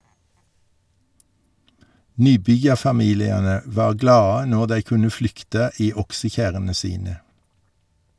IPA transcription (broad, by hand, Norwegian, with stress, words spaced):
ˈnyːˌbʏjɑfɑˌmiːlɪɑnə ˈʋɑːʁ ˈɡlɑːə ˈnoːʁ ˈdæɪ ˈkʉnə ˈflʏktə ˈiː ˈɔksəˌçæʁənə ˈsiːnə